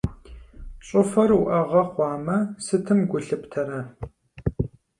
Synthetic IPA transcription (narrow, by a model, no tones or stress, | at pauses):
ɕʼʊfɐruʔɐʁɐχʷɑːmɐsɨtʰɨmɡʷʊɬɨptʰɐɾɐ